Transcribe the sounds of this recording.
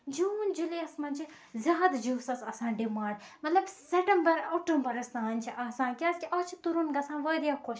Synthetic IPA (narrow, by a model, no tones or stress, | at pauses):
d͡ʒuːnd͡ʒuleɐsmɐnʲt͡ʃʰi | zʲjaːd̪d͡ʒuːsɐsɐsãːɖimãːɳɖmɐt̪lɐbseʈɐmbɐɾɐʈɐ̃mbɐɾɐst̪aːnʲt͡ʃʰiʔaːsãːnkʲaːskʲiʔɐːt͡ʃʰit̪uɾunɡɐsãːʋəːd̪ijakʰoʃ